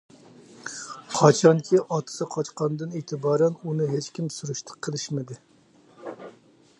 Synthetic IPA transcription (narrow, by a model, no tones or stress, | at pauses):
qʰɑt͡ʃʰɑŋkʲʰiʔɑt̪ʰɨ̥sɨqʰɑt͡ʃqɑnd̪ɨneːt̪ʰɨbɑːɾɛnunɨɦet͡ʃkʲimsuɾuʃt̪ʰə̥qʰːəlˠɨʃmɪd̪ɪ